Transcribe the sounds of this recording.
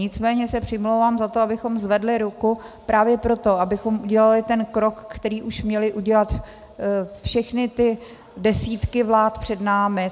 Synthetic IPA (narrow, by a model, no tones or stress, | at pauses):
ɲɪt͡smɛːɲɛsɛpr̥ɪmlowvaːmzat̪oabɪxo̞mzvɛdlɪɾuku | pɾaːvjɛpɾo̞t̪o̞abɪxo̞mʔuɟɛlalɪt̪ɛnkɾokːt̪ɛɾiːʔuʃmɲɛlɪʔuɟɛlat̪ | fʃɛxnɪt̪ɪ | dɛsiːt̪kɪvlaːt̪pr̝̥ɛdnaːmɪ